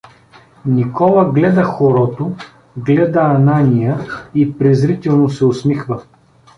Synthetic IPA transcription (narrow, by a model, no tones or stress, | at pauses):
nikɔlˠɐɡlɛd̪ɐxoɾɔt̪o | ɡlɛd̪əːnanʲijəipɾɛzɾit̪ɛlˠnosɛʊsmixvə